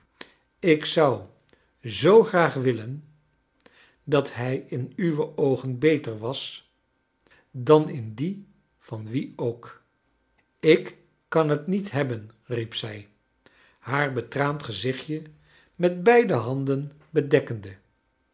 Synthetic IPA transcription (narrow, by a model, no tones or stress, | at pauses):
ɪksɑw | zowχraːχʋɪlən | dɑtɦɛjɪnyʋəʔowχənbejtəɹʋɑs | dɑnɪndi | v̥ɑnʋiowk | ɪk | kɑnɦətnitɦɛbənripsɛj | haːɹbətraːntχəzɪχjə | mɛd̚bɛjdəɦɑndən | bədɛkəndə